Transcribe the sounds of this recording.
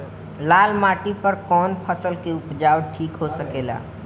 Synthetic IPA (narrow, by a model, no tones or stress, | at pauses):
lalmaʈipəɾkɔnpʰəsəlkeupd͡ʒawʈʰikɦosəkela̰